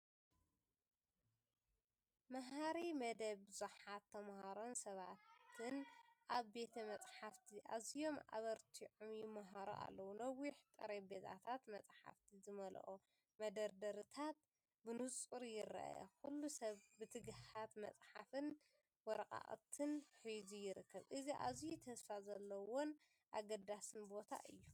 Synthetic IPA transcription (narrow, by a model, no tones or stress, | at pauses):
maɦaɾimɐd̪ɐβbɨzuħat̪ʰːɐmhaɾo̞nsɐβat̪ʰːɨnʔaβbe̞t̪ʰɐmɐt͡sʼħaft̪ʰiʔazijo̞ma̰βɐɾt̪ʰiʕumjɪmːaɦaɾo̰ʔa̰lːɐwulɐwːiħt̪ʼɨɾebet̪ʰa̰t̪ʰat̪mɐt͡sʼħa̰ft̪ʰizɨmɐl̰ʔo | mɐd̪ɐɾd̪ɐɾɨt̪ʰat̪̚ | bɨnut͡sʼuɾijɪrːa̰ʔja̰kulːusɐβbɨt̪ʰɨɡhat̪mɐ̰t͡sʼħafɨn | wɔɾɐkʼa̰χʼt̪ʰɨnħizujɪɾɨkːɐβʔɨziʔa̰zjut̪ʰɐsfazɐlːɐwon | ʔaɡɐd̪asɨnbo̞t̪ʰa̰ʔɨjːu